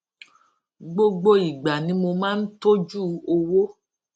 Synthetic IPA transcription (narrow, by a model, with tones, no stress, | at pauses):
ɡ͡bo˧ɡ͡bo˧i˨ɡ͡ba˨nĩ˨˦mo˧mãː˦n̩˦to˦d͡ʒu˦˨o˧wo˦